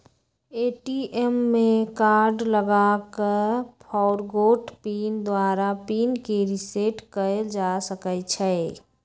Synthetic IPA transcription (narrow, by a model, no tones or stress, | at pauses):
eːʈiʔemːẽkaːɾɖləɡakəɾpʰɔʊɾɡoːʈpiːnd̪waːɾapiːnkeɾɪseʈkəld͡ʒasəkət͡ʃʰɛ